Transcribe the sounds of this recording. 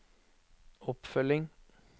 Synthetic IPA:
ɔpfœlɪŋ

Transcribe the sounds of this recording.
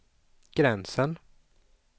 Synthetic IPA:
ɡ̥ɾɛnsən

